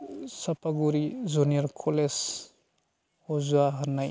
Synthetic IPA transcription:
sɐpʰaɡuɾizunijɔɾkʰɔles | hɔzuaɦɐnːaj

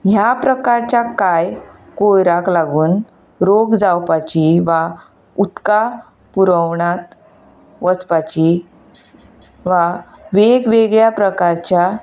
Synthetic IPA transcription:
ɦjapɾəkaɾt͡ɕjakaj | kojɾaklaɡuːn | ɾoɡd͡zawpat͡ɕiʋa | ut̪ka | puɾəwɳat̪ | ʋəspat͡ɕi | ʋa | ʋeɡʋeɡɭjapɾəkaɾt͡ɕja

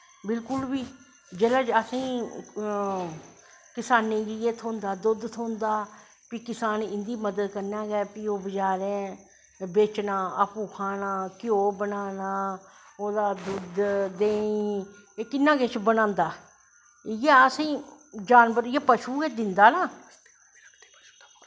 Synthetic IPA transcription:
bɪlkʊlbiː | d͡ʒeːlaːd͡ʒəsĩː | kɪsaːneːd͡ʒieːt̪ʰõːnd̪aːd̪ʊd̪t̪ʰoːnd̪aː | piːkɪsaːnɪnd̪iːməd̪əd̪kəɾnaːɡɛːpiːoːbəd͡ʒaːɾɛ | beːt͡ʃnaːəpuːkʰaːnaːkɪjoːbənaːnaːoːd̪aːd̪ʊd̪d̪eːi | eːkɪnːãːket͡ʃbənãːnd̪aː | jeːəsĩː | d͡ʒaːnbəɾjeːpəʃuːɡeːd̪ɪnd̪aːnaː

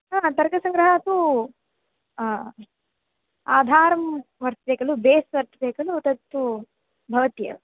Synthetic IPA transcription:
aːt̪ɐɾɡɐsɐŋɡɾɐɦɐːt̪u | aːd̪ʱaːɾɐmʋɐɾt̪beːkɐlubeːsʋɐɾt̪ɐbeːkɐlut̪ɐt̪ːu | bʱɐʋɐt̪jɐ̰

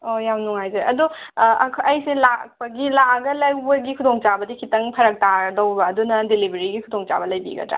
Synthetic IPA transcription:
ojamnuŋajzɐɐ̰duɐkʰɐjselak̚pɐɡilaɡɐlɐwbɐɡikʰudoŋt͡ʃabɐdikʰitɐŋpʰɐɾɐk̚taɾdɐwbɐːdunɐdelibʱɐɾiɡikʰudoŋt͡ʃa̰bɐlɐjbḭɡɐ̰dɾa̰

